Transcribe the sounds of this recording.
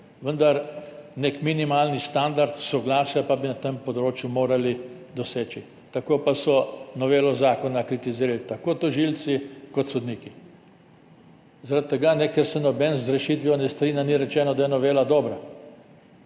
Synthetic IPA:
ʋənd̪aɾnekminimaːlnist̪and̪aɾt̪sɔɡlaːsjapabinat̪empɔd̪ɾoːt͡ʃjumoːɾalid̪ɔseːt͡ʃi | t̪akoːpasɔnɔʋeːlɔzaːkɔnakɾit̪iziːɾalit̪akoːt̪ɔʒilt̪sikɔt̪sɔd̪niːki | zaɾat̪̚t̪ːɛɡanɛkɛɾsɛnɔbɛnzɾɛʃit̪ʋjɔnɛst̪ɾiːnjaniɾɛt͡ʃɛːnɔd̪ajɛnɔʋeːlad̪ɔːbɾa

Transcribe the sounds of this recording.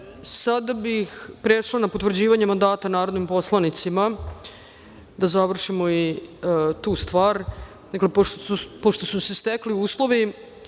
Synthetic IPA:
sad̪abixpɾeʂlanapot̪vr̩d͡ʑiːʋaɲemand̪aːt̪anaːɾo̞d̪nimpo̞slˠanit̪sima | d̪azaʋr̩ʃimo̞i | t̪uːst̪ʋaːɾ | d̪aklepoopoʃt̪o̞susest̪ekliuːslˠo̞ʋi

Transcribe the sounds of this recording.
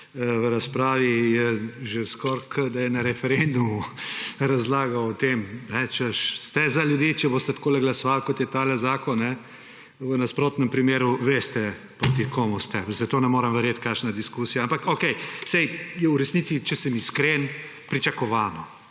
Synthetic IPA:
ʋəɾaspɾaːʋijɛʒeskɔɾkʰəd̪ajɛnaɾɛfɛɾend̪umuɾazlaːɡɐwɔt̪emnɛt͡ʃɛʃst̪ɛzaljud̪jet͡ʃɛbost̪ɛt̪koːlɛɡlasɔʋalkot̪jɛt̪aːlɛzaːkɔnːɛ | ʋənaspɾoːt̪nɛmpɾimeːɾuʋeːst̪ɛ | pɾot̪ikoːmust̪ɛzɐt̪oːnɛmoːɾəmʋɛɾjet̪kaʃnad̪iskuːsijaampakokɛjsɛjjɛuɾɛsniːt̪sit͡ʃɛsɛmiskɾen | pɾit͡ʃakɔʋaːnɔ

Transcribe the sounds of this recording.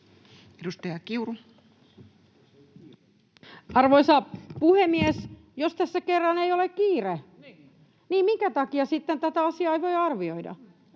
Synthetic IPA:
edust̪ɑjɑkiuru | ɑrʋoisɑpuhemies | jost̪æsːækerːɑneiolekkiːre | niːmmiŋkæt̪ɑkiɑsit̪ːent̪æt̪æɑsiɑeiʋoiɑrʋioidɑ̰

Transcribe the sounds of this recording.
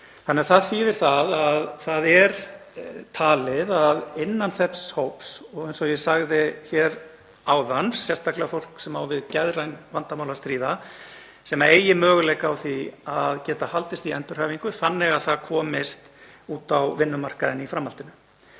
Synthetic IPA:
θanːɛaθaðθiːvɪɾ̥θaðaðθaðɛɾ | t̪ʰaːlɪðaðɪnːanθɛpshowpsɔɣejnsɔjɛsaɣðɪçɛɾ | aːwðansjɛst̪ʰaklɪafowl̥ksɛmawvɪðcɛðrajnvant̪amawlast̪ɾiːða | sɛmaeːjɪmœːɣʏlɛjkawθiaðcɛːt̪ahalt̪ɪst̪iɛnt̪ʏr̥hœːviŋkʏθanːɛɣaðθaðkʰɔːmɪst̪uːt̪awvɪnːʏmar̥kaðɪnifɾamhalt̪ɪnʏ

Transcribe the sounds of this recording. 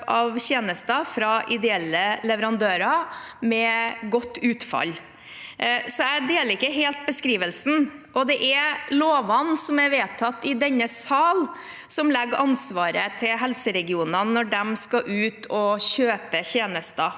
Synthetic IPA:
ɑʋçeːnəst̪ɑfɾɑʔɪd̪ɛɛlːəlɛʋəɾɑnd̪øːɾɑ | mɛɡɔt̪ːʉːt̪fɑ̰l | sɔæɪd̪eːləɾɪkːəɦeːlt̪̚bəskɾiːʋəlsn̩ʔɔd̪ɛʔæloːʋɑnsɔmæɾʋeːt̪ʰɑt̪ːɪd̪ɛnːəsɑːl | sɔmlɛɡɾɑnsʋɑːɾət̪ʰɪlɦɛlsəɾɛɡɪuːnɑnːɔɖɛmskɑʔʉːt̪ʰɔɕøːpəçeːnəst̪ɑ

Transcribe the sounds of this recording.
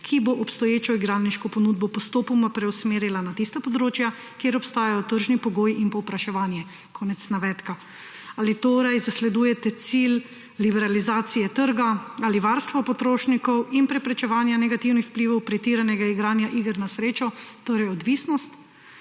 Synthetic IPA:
kʰiboʔɔpst̪ɔjeːt͡ʃɔiɡɾanniʃkɔpɔnuːd̪̚bɔpɔst̪oːpɔmapɾɛwsmeːɾjilanat̪ist̪apɔd̪ɾoːt͡ʃja | keːɾɔpst̪aːjajɔt̪əɾʒnipɔɡoːjinpɔwpɾaʃɛʋaːnjɛ | kʰɔːnɛt̪snaʋɛːt̪ka | alit̪oːɾajzaslɛd̪uːjɛt̪ɛt̪silː | ibɛɾalizaːt̪sijɛt̪əɾɡaaliʋaɾst̪ʋɔpɔt̪ɾoːʃnikɔwinpɾɛpɾɛt͡ʃɛʋaːnjanɛɡat̪iwnixwpliʋɔwpɾit̪iːɾanɛɡaiɡɾaːnjaʔiɡəɾnasɾeːt͡ʃɔt̪oːɾɛjɔd̪ʋiːsnɔst̪

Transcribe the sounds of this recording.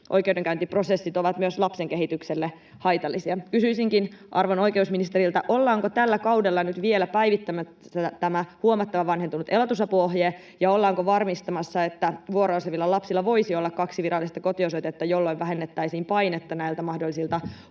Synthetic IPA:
ʔojkeudeŋkæynt̪ipro̞sesːit̪oʋɑt̪myøslɑpseŋke̞ɦit̪ykselːe | hɑjt̪ɑlːisiɑkysyisiŋkinʔɑrʋono̞jke̞usminist̪eɾilt̪ɑ̰ʔo̞lːɑːŋkot̪ælːækɑwdelːɑnyt̪ʋielæpæjʋit̪ːæmæ | sæt̪æmæhuomɑt̪ːɑʋɑʋɑnhent̪unut̪elot̪usɑpuoɦjeː | jɑolːɑːŋkoʋɑrmist̪ɑmɑsːɑe̞t̪ːæʋuoɾooseʋilːɑlɑpsilːɑʋo̞isiolːɑkkɑksiʋiɾɑlːist̪ɑko̞t̪iosojt̪et̪ːɑjo̞lːoiʋʋæɦenːet̪ːæisiːmpɑjnet̪ːɑnæilt̪æmɑhdolːisilt̪ɑ

